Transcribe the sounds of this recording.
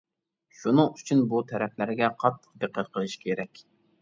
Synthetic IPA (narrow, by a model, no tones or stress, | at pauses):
ʃunɨŋyt͡ʃʰynbut̪ʰɛɾɛplæɾɡʲɛqʰɑt̪ʰːə̥qd̪eqʰːət̪̚qʰəlˠɨʃkʲʰeɾɛkʲ